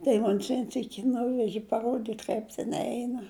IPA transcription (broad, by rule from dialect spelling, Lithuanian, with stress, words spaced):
tɐɪ ˈmoːnʲs ˈʋʲiɛn ˈsʲiːkʲɪ ˈnʊʋʲɛʒʲɪ pɐˈruɔdʲiːtʲ ˈkɐɪp tʲɛn ˈɛɪnɐ